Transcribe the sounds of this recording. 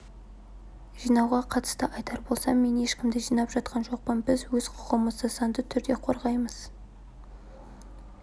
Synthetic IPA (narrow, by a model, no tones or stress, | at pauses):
ʒ̥ijnɑwʁɑqʰɑt̪ə̥st̪əʔɑjt̪ɑɾbo̞lˠsɑmːe̞ne̞ʃkʲɪmd̪ɪʒijnɑpʒɑt̪̚qʰɑnʒo̞q̚pənbɪzwɵz̥qʰʊ̥ʁəməzd̪ɑsɑnd̪ət̪ʰʏɾd̪e̞qʰo̞ɾʁɑjməz̥